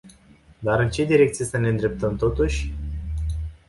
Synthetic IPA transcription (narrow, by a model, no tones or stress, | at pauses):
d̪aɾɨnt͡ʃe̞d̪iɾe̞k̚t̪sijesəne̞ɨnd̪ɾe̞p̚t̪əmt̪o̞t̪uʃʲ